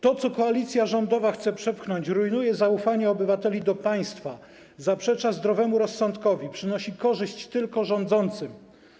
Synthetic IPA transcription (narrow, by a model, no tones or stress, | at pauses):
t̪ɔt̪sɔkɔalʲit̪sʲjaʐɔnd̪ɔvaxt̪sɛpʂɛpxnɔɲt͡ɕɾujnujɛzaufaɲɛɔbɘvat̪ɛlʲid̪ɔpaj̃st̪fa | zapʂɛt͡ʂazd̪ɾɔvɛmuɾɔsːɔnt̪kɔvʲipʂɘnɔɕikɔʐɘɕt͡ɕt̪ɘlkɔʐɔnd̪zɔnt̪sɘm